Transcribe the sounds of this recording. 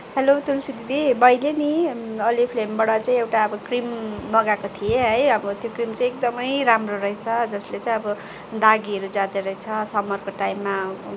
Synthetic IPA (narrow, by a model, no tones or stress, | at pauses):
helot̪ulsid̪id̪ibʌjleniʌlipʰlembaɽʌt͡saĩewʈaʌbʌkrimːʌɡakot̪ʰijeɦʌjʌbʌt̪jokrimt͡sãĩek̚d̪ʌmʌjɾamroɾʌjt͡sʰʌd͡zʌslet͡sãĩʌbʌ | d̪aɡiʌɾud͡zãd̪eɾʌjt͡sʰʌsʌmːʌrkoʈaimːa